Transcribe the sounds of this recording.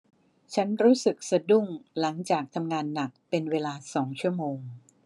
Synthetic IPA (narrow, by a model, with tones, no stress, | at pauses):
t͡ɕʰa˦˥nɾuː˦˥sɯ˨˩k̚sa˧du˥˩ŋla˩˦ŋt͡ɕaː˨˩k̚t̪ʰa˧mŋaː˧nːa˨˩k̚pe˧nweː˧laː˧sɔː˩˦ŋt͡ɕʰu˥˩ɐmoː˧ŋ